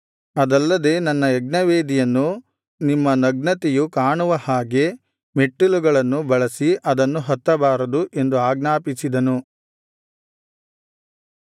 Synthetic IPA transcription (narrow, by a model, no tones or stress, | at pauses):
ɐd̪ɐlːɐd̪e̞ːnɐnːɐeɡnɐʋeːd̪ijɐnːu | nimːɐnɐɡnɐt̪ɛjukaːɳuʋɐhaːɡe̞ | meʈːuluɡɐɭɐnːubɐɭɐsiʔɐd̪ɐnːuɦɐt̪ːɐbaːɾɐd̪uʔe̞nd̪uaːɡnaːpisid̪ɐnu